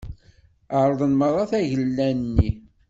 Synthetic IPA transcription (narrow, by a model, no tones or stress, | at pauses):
əɾˤəðˤənməðˤɑθæʝəlːænnːi